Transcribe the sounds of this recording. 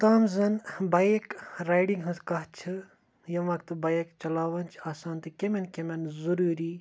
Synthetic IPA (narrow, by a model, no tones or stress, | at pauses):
t̪aːmzɐnbɐekɾaːjɖiŋɡɦɐskɐɦt͡ʃʰɨ | jɐʋɐkt̪ɨbajekt͡ʃɐlaːʋɐnt͡ʃʰaːsaːnt̪ɨkʲemenkʲemenzuɾuːɾiː